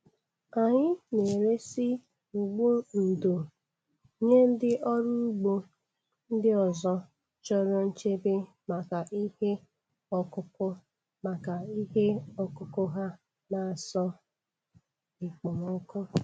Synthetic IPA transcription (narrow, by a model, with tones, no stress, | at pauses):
a˨ɲɪ˦ne˨ɾe˦si˦ | u˨ɡ͡bu˦n̩˨do˨ | ɲe˦n̩˦dɪ˦ʔɔ˦ɾʊ˦u˦ɡ͡bo˦ | n̩˦dɪ˦ɔ˨zɔ˦ | t͡ʃɔ˦ɾɔ˦n̩˦t͡ʃe˦be˦ | ma˨ka˨ʔi˦he˦ | ɔ˦kʊ˦pʊ˦ | ma˨ka˨i˦ɦe˦ɔ˦kʊ˦kʊ˦ɦa˦ | na˨a˨sɔ˦ | ɪ˨k͡pɔ˨ŋɔ˦kʊ˦